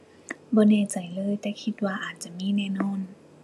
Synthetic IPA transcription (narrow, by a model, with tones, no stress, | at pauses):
bɔː˧˦nɛː˧˩˨t͡ɕa˨˩jlɤː˧˥˨jt̪ɛː˧˩kʰi˧˦t̪̚waː˧ʔaː˨˩t̪̚t͡ɕa˧˩˨miː˧˥˨nɛː˧˩˨nɔː˧˥˨n